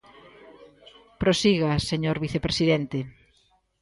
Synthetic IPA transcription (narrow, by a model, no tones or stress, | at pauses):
pɾosiɣaseɲoɾβiθepɾesiðent̪e